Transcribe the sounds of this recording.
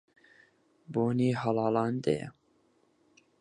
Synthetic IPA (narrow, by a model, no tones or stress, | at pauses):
boːniːɦɑlɑːlɑːnd̪ɐ̰jɛ̰